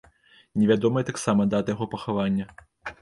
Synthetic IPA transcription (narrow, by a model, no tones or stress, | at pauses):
nʲɛvʲad̪ɔmɐjɛt̪aksamɐd̪at̪ɐjaɣɔpɐxavanʲːɐ